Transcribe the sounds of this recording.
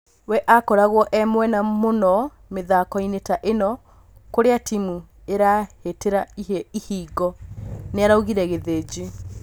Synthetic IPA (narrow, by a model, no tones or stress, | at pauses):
wɛʔakɔɾaɣwɔʔɛmwɛnamonɔ | meðakɔinetaʔenɔ | koɾeatimu | eɾaheteɾaiheihiːɡɔneaɾauɣiɾɛɣeðed͡ʑe